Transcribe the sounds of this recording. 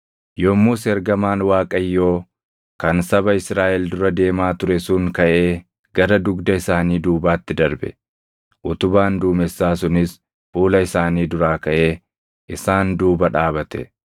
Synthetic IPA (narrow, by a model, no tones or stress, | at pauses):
jomːuːsɛɾɡɐmaːnwaːkʼɐjːo̞ː | kɐnsɐbɐɪsɾaːʔɛld̪ʊɾɐd̪e̞ːmaːt̪ʊɾɛsʊŋkɐʔe̞ː | ɡɐɾɐd̪ʊɡd̪ɐɪsaːniːd̪uːbaːt̪ːɪd̪ɐɾbɛ̰ | ʔʊt̪ʊbaːnd̪uːmɛsːaːsʊnɪs | fuːlɐɪsaːniːd̪ʊɾaːkɐʔe̞ː | ʔɪsaːnd̪uːbɐᶑaːbɐt̪ɛ